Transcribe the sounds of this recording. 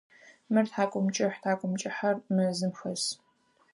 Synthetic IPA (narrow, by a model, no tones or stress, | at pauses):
mɨrtħaːkʷʼʊmt͡ʃʼɪħtʰaːkʷʼʊmt͡ʃʼɪħɐrmɨzɨmxɐs